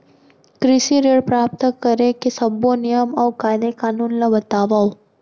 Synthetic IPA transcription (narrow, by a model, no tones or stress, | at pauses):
kɾɪsiɾeːɽpɾaːp̚t̪əkɐɾẽkesɐbːonɪjəmɔːkaːɪd̪ekaːnuːnlabɐt̪aːʋaːo